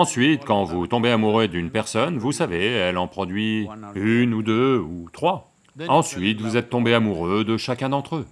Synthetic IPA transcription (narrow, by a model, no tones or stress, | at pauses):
ɑ̃sɥit̪kɑ̃vut̪ɔ̃beamuʁød̪ynpɛʁsɔnvusaveɛlɑ̃pχɔd̪ɥiynud̪øut̪χwa | ɑ̃sɥit̪vuzɛt̪ːɔ̃beamuʁød̪əʃakʲɛ̃d̪ɑ̃t̪χø